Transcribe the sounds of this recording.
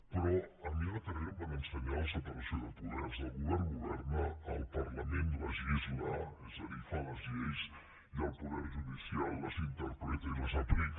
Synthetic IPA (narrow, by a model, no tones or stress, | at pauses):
pɾɔəmiət̪ərɛmbanənsəɲalˠsət̪ənsioðəlˠpuðɛrzəlˠɣuβɛrnɡuβɛrnəəlˠpərləmenləzʎizmaɛzəðifaləzʎejs | iəlˠpuðɛrʒuðisialˠːəzint̪əɾpɾɛt̪əiləzapɾik